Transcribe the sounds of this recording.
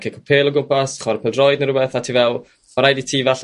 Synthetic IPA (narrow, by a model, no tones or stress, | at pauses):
kʰekʰɔpʰeːlˠɔɡʊmpasχwɔɾpʰɛlˠdrɔjdnəɾʊbɛθatʰiːvɛlˠ | maɾajditʰiːvaɬ